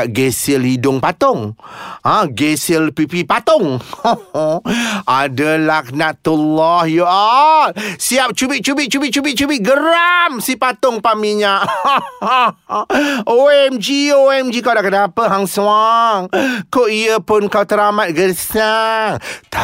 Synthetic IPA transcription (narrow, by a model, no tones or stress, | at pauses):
aʔɡesilidʊŋpat̪ʊŋãɡesilpipipat̪ɔŋ | adəlahkənat̪ulːɔhjəʔat̪̚siap̚t͡ʃubɪʔ̚t͡ʃubɪʔ̚t͡ʃubɪt͡ʃubɪt̚t͡ʃubɪt̚ɡəɾamsipat̪ʊŋpamiɲaʔ | oɛmd͡ʒioɛmd͡ʒikawdaʔkənapəɦaŋsũaŋkoʔiəpʊnkawt̪əɾamat̪̚ɡəsaŋt̪